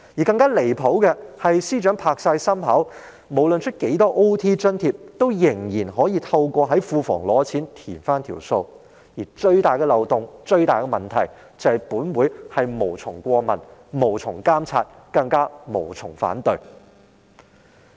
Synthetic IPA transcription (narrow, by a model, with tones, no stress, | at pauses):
ji˨˩kɐ˧ŋkaː˥le˨˩jpʰo˨˥wkɛ˧hɐ˨jsiː˥t͡ʃœː˨˥ŋpʰaː˧k̚saː˧jsɐ˥mɦɐ˨˥w | mo˨˩wlɵ˨nt͡ʃʰɵ˥t̚ke˨˥jt̪ɔː˥ʔo˥wt̪ʰiː˥t͡ʃœ˥nt̪ʰiː˧p̚t̪o˥wjɪ˨˩ŋjiː˨˩nɦɔː˨˥jiː˧t̪ʰɐ˧wkʷɔː˧ɦɐ˨˥jfuː˧fɔ̰ː˨˩ŋlɔː˨˧t͡sʰiː˨˥nt̪ʰiː˨˩nfaː˥nt̪ʰḭː˨˩wso˧w | jiː˨˩t͡ʃɵ˧ɥt̪aː˨˩jkɛ˧lɐ˨wt̪ʊ˨ŋt͡ʃɵ˧ɥt̪aː˨jkɛ˧mɐ˨nt̪ʰɐ˨˩j | t͡sɐ˨˧hɐ˨jpuː˨˥nwuː˨˥jhɐ˨jmo˨˩wt͡sʰʊ˨˩ŋkʷɔː˧mɐ̰˨˩nmo˨˩wt͡sʰʊ˨˩ŋkaː˥mt͡sʰa̰ː˧t̚ | kɐ˧ŋkaː˥mo˨˩wt͡sʰʊ˨˩ŋfa̰ː˨˥nt̪ɵ˨˧ɥ